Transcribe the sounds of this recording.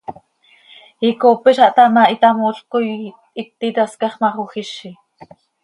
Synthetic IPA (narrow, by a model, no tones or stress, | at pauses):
ikoːpiʃɑʔt̪amaʔit̪amoɬkoj | ik̚t̪it̪askɑχmɑχuxiʃi